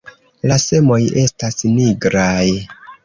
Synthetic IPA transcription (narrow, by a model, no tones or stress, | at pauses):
lase̞mo̞je̞stasniɡɾaj